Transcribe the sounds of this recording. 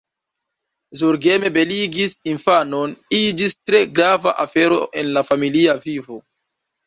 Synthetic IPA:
zuɾɡe̞me̞be̞liɡisinfano̞nid͡ʒistɾe̞ɡɾava̰ʔafe̞ɾo̞̰ʔe̞nlafamiliavivo

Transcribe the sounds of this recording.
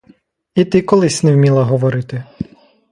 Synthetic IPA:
it̪ɪkɔlˠɪsʲnɛwmʲilˠɐɦɔʋɔɾɪt̪ɪ

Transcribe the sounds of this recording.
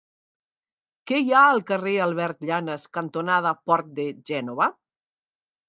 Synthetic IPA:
kɛjaəlˠkərealˠβɛɾt̪ʎanəskant̪onað̞apɔɾt̪̚d̪eʒɛnoβa

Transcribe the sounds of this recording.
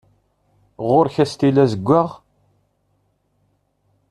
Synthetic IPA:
ʁʊɾçæst̪ilæzəɡʷːaʁ

